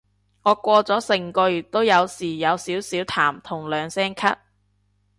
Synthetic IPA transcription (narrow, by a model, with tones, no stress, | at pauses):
ŋɔː˨˧kʷɔː˧t͡sɔː˨˥sɪ˨˩ŋkɔː˧jyː˨˩t̚t̪o˥wjɐ˨˧wsiː˨˩jɐ˨˧wsiː˨˥wsiː˨˥wt̪ʰaː˨˩mt̪ʰʊ˨˩ŋlœː˨˧ŋsɛː˥ŋkʰɐ˥t̚